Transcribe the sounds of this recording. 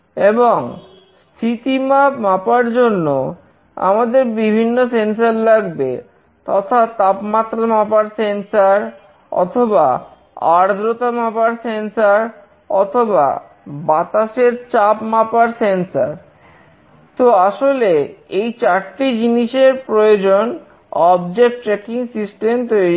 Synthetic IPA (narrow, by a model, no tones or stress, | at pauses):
eboŋ | st̪ʰit̪imapmapaɾd͡ʑonːo | a̰mad̪eɾbibʱinːosens̬aɾlaɡbḛ | t̪ɔt̪ʰat̪apmat̪ːɾamapaɾsensaɾ | ɔ̰t̪ʰoba | a̰ɾd̪ɾot̪amapaɾsensaɾ | ɔ̰t̪ʰoba̰ | bat̪aʃeɾt͡ɕapmapaɾsensa̰ɾ | t̪oaʃoleejt͡ɕaʈʈid͡ʑiniʃeɾpɾojod͡ʑon | ɔbd͡ʑek̚ʈʈːɾɛkiŋsisʈemt̪oe